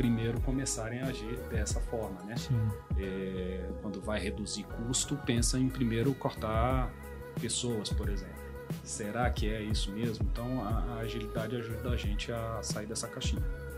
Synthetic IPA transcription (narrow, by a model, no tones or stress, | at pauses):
pɾimejɾʊkõmesaɾẽj̃ɐaaʒiɾd̪ɛsɐfɔɾmɐnɛɛkwɐ̃nd̪ʊvajhed̪uzikust̪ʊpẽsɐ̃ẽj̃pɾimejɾʊkoɾt̪a | pesowɐspoɾezẽplʊseɾakɪɛisʊmezmʊẽnt̪ɐ̃w̃ɐɐːʒilid̪ad͡ʒɪaʒud̪ɐd̪ɐʒẽt͡ʃɪasaiɾd̪ɛsɐkaʃĩɲɐ